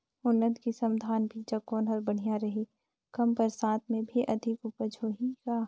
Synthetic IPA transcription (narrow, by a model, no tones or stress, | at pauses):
ʊnːət̪kisɐ̃md̪ʱaːnbʱid͡ʒɐkoːnɦɐɾbɐɽ̤ijaɾɐɦi | kɐmpəɾsãːt̪mẽbʱiʔɐd̪ʱɪkʊpəd͡ʒoːɦikaː